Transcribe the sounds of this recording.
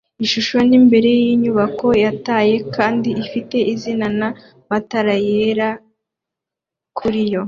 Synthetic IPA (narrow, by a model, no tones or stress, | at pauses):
iʃuʃo̞nimbe̞ɾe̞jiɲuβako̞jataje̞kaːndiifite̞ʔizinana | mataɾajeɾa | kʰuɾijo̞